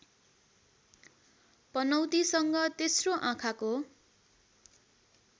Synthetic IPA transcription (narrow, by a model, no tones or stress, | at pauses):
pʌnʌwt̪isʌŋɡʌt̪esroʔãkʰako